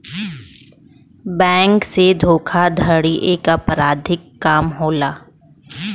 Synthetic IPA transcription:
bɛ̃ːŋksed̪ʱoːkʰad̪ʱəɽiʔeːkəpɾaːd̪ʱɪkːaːmɦoːlaː

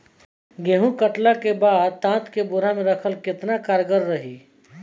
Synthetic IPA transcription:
ɡeɦũkəʈlakebaːd̪̚t̪ãːt̪kebʊɾamẽɾɐkʰəlkɪt̪nakaːɾɡəɾːɐɦiː

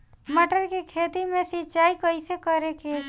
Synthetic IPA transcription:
məʈəɾkikʰeːt̪imẽsɪtːt͡ʃaːikəisekəɾeke

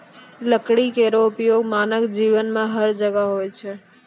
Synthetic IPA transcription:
ləkɽikeɾoʊpjoɡmanəkd͡ʒiʋənmãɦəɾd͡ʒəɡaɦojt͡ʃʰe

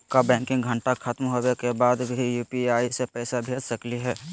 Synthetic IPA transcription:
kabɛ̃ːŋkɪ̃ŋɡɡʱə̃ɳʈakʰat̪mɦowekebaːd̪bʱijuːpiaːisepɛːsabʱeːd͡ʒsɐkliɦɛː

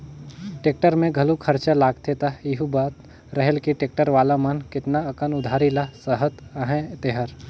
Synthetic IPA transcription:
ʈeːk̚ʈəɾmẽɡʱɐlukʰɐɾt͡ʃalaːɡt̪ʰet̪aɪɦubaːt̪ | ɾɐɦelkiʈeːk̚ʈəɾʋaːlamɐnkɪt̪naɐkənʊd̪ʱaːɾilasəɦət̪ɐɦẽt̪eɦəɾ

